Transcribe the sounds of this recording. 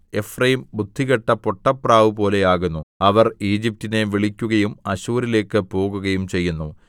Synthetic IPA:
e̞frɐjimbud̪ʱːiɣɐʈːɐpo̞ʈːɐpraːʋɨpo̞ːle̞aːɣunːuɐʋɐriːd͡ʑip̚tine̞ʋiɭikʲːuɣɐjumɐɕuːɾile̞ːkːɨpo̞ːɣuɣɐjumt͡ɕe̞jːunːu

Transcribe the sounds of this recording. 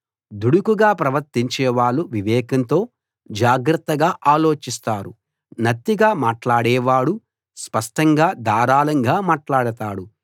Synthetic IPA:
d̪uɽukuɡaːpɾɐʋɐɾt̪iɲt͡ʃɛːʋaːɭːuʋiʋɛːkɐnt̪o̞ː | d͡ʒaːɡɾɐt̪ːɐɡaːʔaːlo̞ːt͡ʃist̪aːɾu | nɐt̪ːiɡaːmaːʈlaːɽɛːʋaːɽu | spɐʂʈɐŋɡaːd̪aːɾaːlɐŋɡaːmaːʈlaːɽɐt̪aːɽu

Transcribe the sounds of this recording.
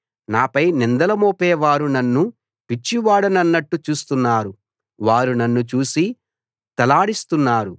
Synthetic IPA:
naːpɐjnind̪ɐlɐmoːpɛːʋaːɾunɐnːu | pit͡ʃːiʋaːɽɐnɐnːɐʈːut͡ʃuːst̪unːaːɾu | ʋaːɾunɐnːut͡ʃuːsi | t̪ɐlaːɽist̪unːaːɾu

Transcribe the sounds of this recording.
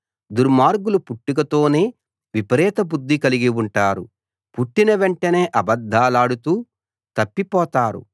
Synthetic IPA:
d̪uɾmaːɾɡulupuʈːukɐt̪o̞ːneː | ʋipɐɾɛːt̪ɐbud̪ʱːikɐliɡiwuɳʈaːɾṵ | puʈːinɐʋeɳʈɐne̞ːʔɐbɐd̪ʱːaːlaːɽut̪uː | t̪ɐpːipɔːt̪aːɾṵ

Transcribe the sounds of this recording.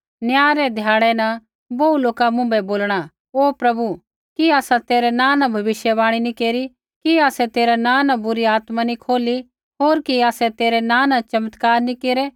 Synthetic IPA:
njaːɾɛd̪ʱjaːɽɛnã | bɐuloːkamʊ̃bɛboːlɽ̃a | oːpɾɐbu | kiaːsat̪eːɾɛnãːnãbʱɐʋɪʃjəβaːɽ̃inĩkeːɾi | kiaːsɛt̪eːɾanãnãbʊɾiaːt̪manĩkʰoːli | ɦoːɾkiaːsɛt̪eːɾɛnãːnãt͡ʃɐmət̪kaːɾnĩkeːɾɛ

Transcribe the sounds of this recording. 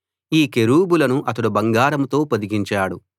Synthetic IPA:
iːkeɾuːbulɐnuʔɐt̪ɐɽubɐŋɡaːɾɐmut̪o̞ːpɐd̪iɡiɲt͡ʃaːɽu

